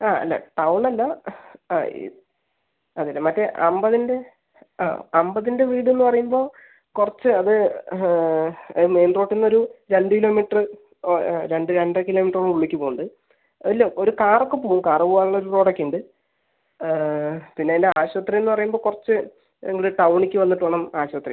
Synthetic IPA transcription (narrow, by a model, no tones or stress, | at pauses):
aːɐ̰lːɐ̰ʈɐwɳɐlːɐ | ɐðildemɐtːeʔɐmbɐðinde̞ | a̰ːɐmbɐðinde̞ʋiːɽue̞nːupɐrɐjumbo̞ː | kurɐt͡ɕːɨɐðɨ | ɐ̰ɨme̞jnro̞ːʈːinːo̞ɾuɾe̞ɳɖɨkilo̞ːmiʈrɨ | ɾe̞ɳɖɨɾe̞ɳɖɐkilo̞ːmiʈːroɭuɭːikʲːɨpoːɣuɳɖɨ | ɐlːoːoɾukaːrokːɨpoːɣumkaːrɐpoːaːɭuɭːɐoɾuro̞ːʈɐkːeɳɖɨ | pinːe̞lːeaːɕʋɐt̪rijenːupɐrɐjumbo̞ːkurɐt͡ɕːɨ | eŋːiɭʈɐwɳikʲːɨʋɐlnːiʈːuʋɐɭɐmaːɕʋɐt̪rḭ